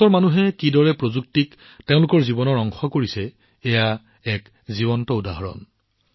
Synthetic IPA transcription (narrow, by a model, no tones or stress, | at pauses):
ɔɹmanuɦɛkidɔɹɛpɹozuk̚tik | tẽʊ̃lʊkɔɹzibɔnɔɹɔŋxɔkoɹisɛ | ɛja | ɛk | ziβɔntɔudaɦɔɹɔ̰n